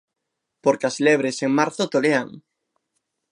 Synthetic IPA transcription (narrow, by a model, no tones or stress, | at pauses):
poɾkeasleβ̞ɾeseŋmaɾθot̪olea̰ŋ